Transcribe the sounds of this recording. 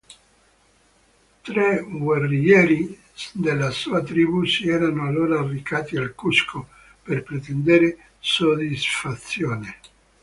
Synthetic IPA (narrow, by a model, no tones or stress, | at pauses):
t̪ɾeɡwarːijɛːɾi | d̪elːasuːat̪ɾiːbusiɛːɾanoalːoːɾaːrːikaːt̪ialkuskʰo | perpɾet̪end̪eɾe | sod̪isfat̪sːjoːne